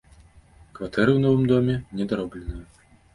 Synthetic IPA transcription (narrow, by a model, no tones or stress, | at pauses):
kvat̪ʰɛɾɨwnɔvɨmd̪ɔmʲɛnʲɛd̪aɾɔblʲɛnɨju